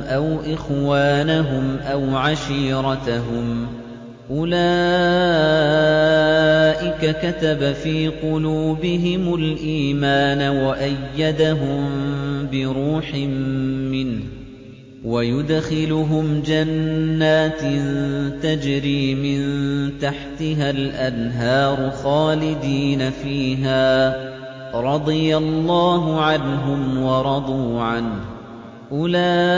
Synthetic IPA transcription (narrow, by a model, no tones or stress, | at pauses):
ʔawʔɪxwaːnaɦʊmʔawʕaʃiːɾˤɑt̪aɦʊm | ʔʊlaː | ʔɪkakat̪abafiːqʊluːbɪɦɪmʊlʔiːmaːnawaʔajːad̪aɦʊmbɪɾuːħɪmːɪnh | wajʊd̪xɪlʊɦʊmd͡ʒanːaːt̪nt̪ad͡ʒɾiːmɪnt̪aħt̪ɪɦalʔanɦɑːɾˤʊxaːlɪd̪iːnafiːɦaː | ɾˤɑd̪ˤɨjalˤːɑːɦʊʕanɦʊmwɑɾˤɑd̪ˤuːʕan | ʔʊlaː